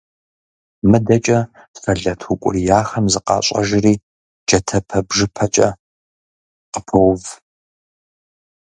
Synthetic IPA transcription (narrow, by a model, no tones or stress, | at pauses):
mɨdɐt͡ʃʼɐ | sɐɮɐtʰukʷʼʊ̰rijaːxɐmzɨqɑ̰ːɕʼɐ̰ʒɪriː | d͡ʒɐtʰɐpʰɐbʒɨpʰɐt͡ʃʼɐ | qəpʰɨwv